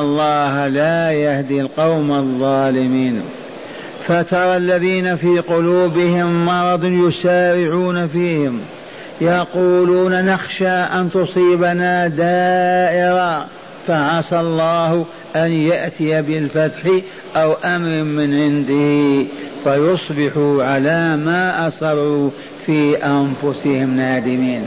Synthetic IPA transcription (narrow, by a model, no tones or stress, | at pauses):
ɑlˤːɑːhalajahd̪ilqɑwmɑðˤːɑːlɪmiːn | fat̪ɑɾˤɑlːaðiːnafiːqʊluːbɪhɪmːɑɾˤɑd̪ˤnjʊsaːɾɪʕuːnafiːhɪm | jɑquːluːnanaxʃaːʔant̪ʊsˤiːbanad̪aːʔɪɾa | faʕɑsɑlˤːɑːhʊ | ʔanjaʔt̪ɪjabɪlfat̪ħi | ʔawʔamɾmɪnʕɪnd̪ɪhifajʊsˤbɪħuʕalamaʔɑsɑrˤːu | fiːʔanfʊsɪhɪmnaːd̪ɪmiːn